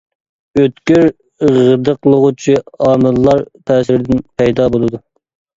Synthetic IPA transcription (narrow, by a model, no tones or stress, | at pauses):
øt̪kʲyɾ | ʁəd̪əqlˠəʁut͡ʃʰiɑːmɨllːˠɑɾt̪ʰæːsɪɾɪd̪ɪnpʰɛjd̪ɑbolˠɨd̪u